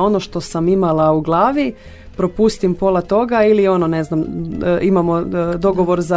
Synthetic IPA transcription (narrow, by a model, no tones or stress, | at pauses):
o̞no̞ʃt̪o̞samimalˠauɡlˠaːʋi | pɾo̞pust̪impo̞lˠat̪o̞ɡailio̞none̞znamʔimamod̪o̞ɡo̞ʋo̞ɾza